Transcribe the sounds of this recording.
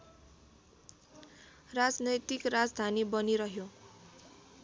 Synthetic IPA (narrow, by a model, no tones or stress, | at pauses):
rad͡znʌjt̪ikrad͡zd̪ʱanibʌniɾʌɦjo